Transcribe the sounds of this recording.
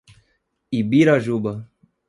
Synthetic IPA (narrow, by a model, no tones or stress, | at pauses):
ibiɾaʒuba